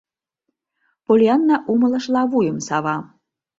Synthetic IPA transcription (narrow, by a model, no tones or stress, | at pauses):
polʲɑnːɑʔumɤ̆lˠɤ̆ʃlɑβujə̆msɑβɑ